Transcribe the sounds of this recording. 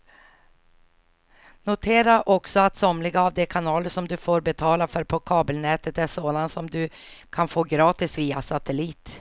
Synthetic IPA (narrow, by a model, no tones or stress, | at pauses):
nʊt̪ʰeːɾaʔɔksɔat̪sɔmlɪɡaːvd̪ɛkʰanɑːləʂɔmd̪ɵfoːɾbɛt̪ʰɑːlafœɾpʰɔkʰɑːbəlnɛːt̪ət̪æʂoːd̪ansɔmd̪ɵ | kʰanfoːɡɾɑːt̪ɪsviːasat̪ɛliːt̪